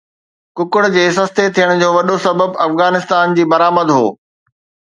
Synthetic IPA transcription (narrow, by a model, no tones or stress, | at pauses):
kʊkʊɽd͡ʑeːs̬ɐst̪et̪ʰijəɽ̃d͡ʑoːʋɐɗosɐbəbɐfɣaːnɪst̪aːnd͡ʑiːbɐɾaːməd̪ɦo̰ː